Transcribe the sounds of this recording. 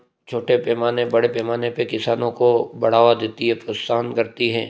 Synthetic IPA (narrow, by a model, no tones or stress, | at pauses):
t͡ʃʰoːʈepɛːmaːnebɐɽepɛːmaːnepekɪsaːnõkobɐɽ̤aːʋad̪eːt̪iɦɛpɾossaːnkɐɾt̪iɦɛ̰̃ː